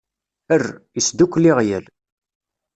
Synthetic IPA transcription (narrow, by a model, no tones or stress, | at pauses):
ərːisd̪ukʷːliʁjəl